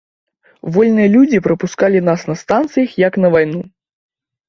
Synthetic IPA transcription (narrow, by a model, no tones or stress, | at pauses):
vɔlʲnɨjɐlʲud͡zʲipɾɐpuskalʲinasnɐst̪ant̪sɨjɐxjɐknɐvajnu